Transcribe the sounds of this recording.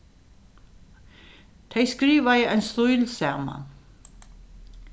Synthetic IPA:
t̪ʰɛjskɾiːʋajəajnst̪ʊjlsaːma̰n

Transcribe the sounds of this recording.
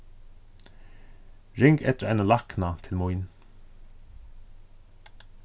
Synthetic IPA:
ɾɪŋkɛt̪əa̰jnalahknat̪ʰɪlmʊjn

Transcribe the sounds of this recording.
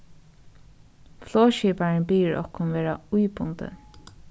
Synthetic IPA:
floːʃiːpaɹənbiːɹʔɔ̰hkʊnʋeːɹaujbʊnt̪ə̰

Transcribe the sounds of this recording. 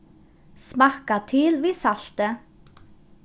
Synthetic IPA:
smɑkɑt̪ʰɪlʋiːsɑɬt̪ə

